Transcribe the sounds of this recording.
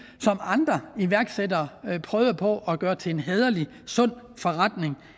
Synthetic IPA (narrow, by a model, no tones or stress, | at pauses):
sɒ̽mɑ̈nd̥ʁɐiʋæɐɡ̥sedɐpʰʁœːðˠɐpʰɒ̽ʔɒɡ̥ɶːɐt͡sʰe̝enɦɛð̞ˠɐli | sɔ̽n̰ | fɒ̽ʁad̥ne̝ŋ